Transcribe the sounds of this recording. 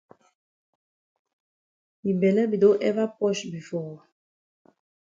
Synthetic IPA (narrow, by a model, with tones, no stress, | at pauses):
bi˨bɛ˨lɛ˦bi˨do˦ʔɛ˦va˦pɔ˦ʃbi˨fɔ˦˨